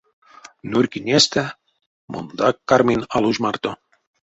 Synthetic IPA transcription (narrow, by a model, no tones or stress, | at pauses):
nurʲkinʲest̪æ | mʔo̰nd̪ɑkːarmʲinʲɑlˠuʒmɑrt̪o